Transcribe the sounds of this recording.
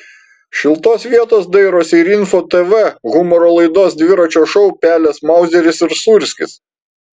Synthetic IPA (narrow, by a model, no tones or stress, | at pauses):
ʃʲɪlˠt̪oːsʋʲiɛt̪oːsd̪ɐɪɾoːsʲɪɾɪnfoːt̪ɛʋɛɣʊmɔɾoːlˠɐɪd̪oːsd̪ʲʋʲɪɾɐt͡ʃʲoːʃɔʊpʲæːlʲɛsmɐˑʊzʲɛɾʲɪsɪɾsuɾʲsʲkʲɪs